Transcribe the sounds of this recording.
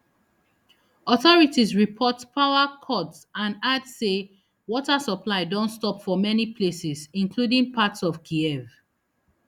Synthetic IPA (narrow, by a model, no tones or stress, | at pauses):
ɔθɔɹitisɹipʰɔtpʰaʊakʰɔtsãnadse | wɔtasəpʰlaɪdɔ̃ntstɔpfɔmɛnipʰlesɪzĩnkʰludĩŋpʰatsɔv̥kʰiɛv